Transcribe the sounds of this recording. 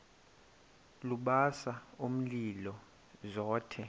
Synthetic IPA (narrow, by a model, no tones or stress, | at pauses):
luɓasaum̩lilɔ | zɔːtʰɛ